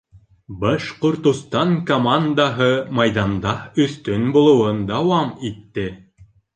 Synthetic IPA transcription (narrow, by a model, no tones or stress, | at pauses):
bɑʃqŏɾt̪ŏst̪ɑŋkomand̪aɦɤmɑjðɑnd̪ɑɵ̆θt̪ɵnbulˠŏwɤnd̪ɑwɑmit̪ːɘ